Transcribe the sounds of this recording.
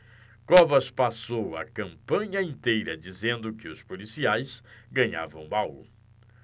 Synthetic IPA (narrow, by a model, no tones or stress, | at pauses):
kɔvɐspasowɐ̰kɐ̃mpɐ̃ɲɐẽnt̪ejɾɐd͡ʒizẽnd̪ʊkɪʊspolisiajsɡɐ̃ɲa̰vɐ̃w̃bawṵ